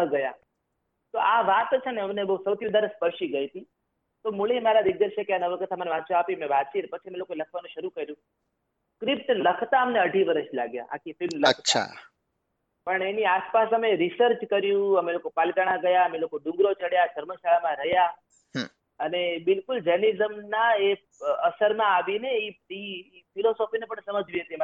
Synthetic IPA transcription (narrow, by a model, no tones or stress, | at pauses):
əɡəja̰ | t̪oʔaʋat̪t͡ʃʰeneəmnebəusəwt̪ʰiʋəd̪əɾspəɾʃiɡəit̪i | t̪omuɭemaɾad̪ɪɡ̚d̪əɾʃʰekeanəʋəkət̪ʰaməneʋat̪ːʃʰoapimẽʋat̪t͡ʃʰinepət͡ʃʰiəmelokoeləkʰʋanũʃəɾukəɾjũ | kɾɪp̚ʈləkʰt̪aəmneəɖʱiʋəɾəʃla̰ɡja̰ʔa̰kʰifɪlmləkʰt̪ːʰaa̰ | pəɳeniaspasəmeɾisəɾt͡ʃkəɾjũəmelokopalkaɽ̃ãɡəjaəmelokoɖũŋɡɾot͡ʃəɽjaʃəɾməʃaɭamãɾəɦja | ənebɪlkʊld͡ʒənizəmnae | əsəɾmãːʋineii | pʰilosofinepəɳsəməd͡ʒʋiɦət̪ie